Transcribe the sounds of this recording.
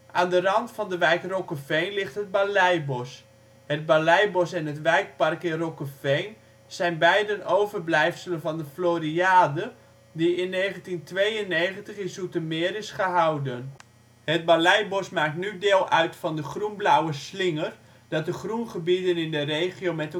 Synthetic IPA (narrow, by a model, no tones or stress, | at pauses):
ʔaːndərɑntfɑndəʋɛjkrokəfɛjnlɪχtɦəd̚balɛjbɔs | hət̚balɛjbɔsɛnɦətʋɛjk̚pɑrkɪnrokəfejn | sɛjnbɛjdənowvərblɛjfsələnvɑndəfloːɾiaːdə | diɪnːejχəntintʋejənːeːχəntəχɪnsutəmɪːɾɪsχəɦawdən | hət̚balɛjbɔsmaːk̚tnydeːlˠœɥtfɑndəχrunblawəslɪŋər | d̥ɑt̚dəχrunχəbidənɪndərejχiomɛtə